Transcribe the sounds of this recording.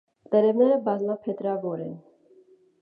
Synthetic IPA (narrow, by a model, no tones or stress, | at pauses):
t̪ɛɾɛvnɛɾəbɑzlapʰɛt̪ɾɑvɔɾɛn